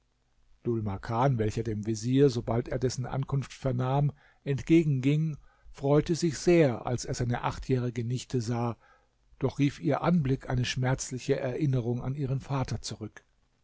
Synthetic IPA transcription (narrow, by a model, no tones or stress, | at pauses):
d̥ʊlmakʰaːnvɛlçɐdeːmviziːɐzobalteːɐdɛsn̩ʔa̰nkʰʊnftfɛɐnaːm | ʔɛntɡ̥eːɡŋ̩ɡɪŋfʁ̥ɔʏtəzɪçz̥eːɐʔa̰lseːɐzaɪnəʔaχtʰjɛːʁ̞ɪɡənɪçtʰəzaː | d̥ɔχʁ̥iːfʔiːɐʔanblɪkʰʔaɪnəʃmɛɐt͡slɪçəʔɛɐʔɪnəʁ̞ʊŋa̰niːʁ̞ənfaːtʰɐt͡suʁʏk